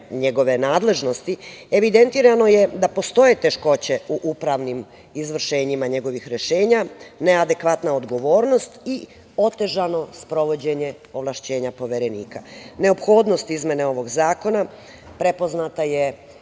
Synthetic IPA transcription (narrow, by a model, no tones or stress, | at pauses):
ɲe̞ɡo̞ʋe̞naːd̪le̞ʒno̞st̪ieʋid̪e̞nt̪iːɾano̞je̞d̪apo̞st̪o̞jet̪e̞ʃko̞t͡ɕe̞uʔupɾaʋnim | izʋr̩ʃe̞ːɲimaɲe̞ɡo̞ʋixɾe̞ʃe̞ːɲane̞ad̪e̞kʋat̪naod̪ɡo̞ʋo̞ːɾno̞st̪i | o̞t̪e̞ʒano̞spɾo̞ʋod͡ʑe̞ɲe̞ | o̞ʋlˠaʃt͡ɕe̞ːɲapo̞ʋeɾe̞nḭːkane̞opxo̞ːd̪no̞st̪izmje̞neo̞ʋo̞ɡzaːko̞na | pɾe̞po̞znat̪aje